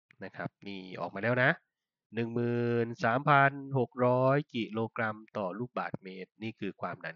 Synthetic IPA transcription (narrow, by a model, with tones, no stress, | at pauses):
na˦˥kʰɾa˦˥p̚niː˥˩ʔɔ̰˨˩k̚maː˧lɛː˦˥˩wna˦˥ʔ | nɯ˨˩ŋmɯː˨˩nsaː˩˦mpʰa˧nho˨˩k̚ɾɔː˦˥jki˨˩loː˧kɾa˧mt̪ɔː˨˩luː˥˩k̚ba̰ː˨˩t̪̚meː˦˥t̪̚niː˥˩kʰɯː˧kʰwaː˧mna˧˥n